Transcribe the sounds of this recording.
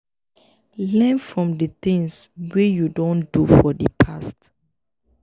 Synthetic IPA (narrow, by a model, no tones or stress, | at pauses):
lɛ̃nfɹɔ̃mdətĩŋswejudɔ̃ndufɔdəpʰast